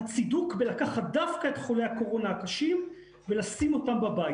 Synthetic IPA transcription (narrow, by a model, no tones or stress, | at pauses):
at͡sidukbelakaχat̚d̪afkaetχo̞lejhako̞ʁo̞naːkaʃim | velasimo̞tambabaj